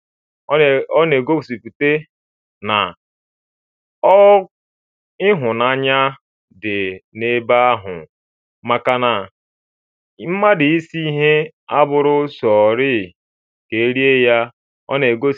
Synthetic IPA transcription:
ɔ˦ne˨ɡo˦psi˨pu˨te˦ | na˨ | ɔ˦ | ɪ˦ɦʊ˨na˦ɲa˦ | dɪ˨ne˦ba˦a˦ɦʊ̰˨ | ma˨ka˨na˨ | m̩˦ma˦dɪ˨i˦si˦i˦ɦe˦ | a˦bʊ˨ɾʊ˦sɔ˨ɾɪ˦˨ | ke˨e˦ɾi˦e˦ja˦ | ɔ̰˦ne˨ɡo˦

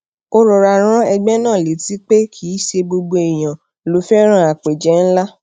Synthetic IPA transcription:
o˧ɾo˨ɾa˨ɾ̃ã˦ɛ˧ɡ͡bɛ˦nãː˦˨le˨ti˦k͡pe˦kʰi˦ʃe˧bo˧ɡ͡bo˧e˨j̃ã˨ | lo˨˦fɛ˦ɾ̃ã˦a˨k͡pe˨d͡ʒɛ˨˦n̩˦la˦

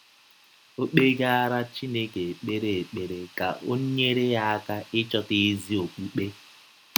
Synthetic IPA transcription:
o˦k͡pe˦ɡa˦ɾa˦t͡ʃi˦ne˦ke˨k͡pe˦ɾe˨e˨k͡pe˨ɾe˨ka˨ʔo̰˦ɲe˦ɾe˦ja˦a˦ka˦ɪ˦t͡ʃɔ˦tɪ˦zi˦o˨k͡pu˦k͡pe˦

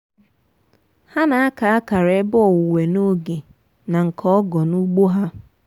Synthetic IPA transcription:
ha˦na˨a˦ka˨a˦ka˨ɾe˨˦bʊ˦ɔ˨wʊ˨we˨no˦ɡe˨ | na˨ŋ̩˨kʰɔ˦ɔ˦ɡɔ˨nu˦ɡ͡bo˦ɦa˦

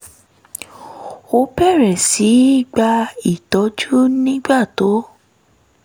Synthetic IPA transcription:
o˧pɛ˦˨ɾɛ˨si˨˦i˦˨ɡ͡ba˧i˦˨tɔ˨˦d͡ʒu˦nĩ˦ɡ͡ba˦˨to˨˦

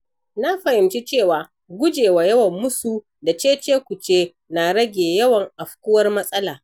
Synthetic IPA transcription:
na˦ɸɐ˨hɪ˨mt͡ʃi˦t͡ʃeː˦˨waː˨ | ɡʷʊ˦d͡ʒeː˨wa˨jɐ˦wɐ˨mːʊ˦suː˦˨ | da˨t͡ʃeː˦t͡ʃeː˦kʷʊ˨t͡ʃeː˦ | na˨ɽɐ˦ɡʲeː˨jɐ˦wɐ˨ŋʔa˨ɸkʷʊ˦wɐ˦rmɐ˦sʼɐ˦laː˨

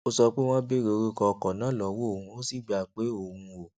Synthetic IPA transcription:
o˧sɔ˧k͡pe˦w̃ɔ̃˦bi˦ɾe˧ɾi˦kɔ˧kɔ˨nãː˨˦˨lɔ˨˦wo˦o˦˨hũ˧o˦si˦˨ɡ͡bi˦a˧˨k͡pe˨˦o˨hũ˧o˨

